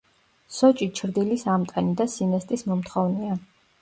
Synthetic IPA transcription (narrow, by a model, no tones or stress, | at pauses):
sɔt͡ʃʼit͡ʃʰɾd̪ilisamt̪ʼɛnid̪asinɛst̪ʼismɔmt̪ʰχɔvnɛa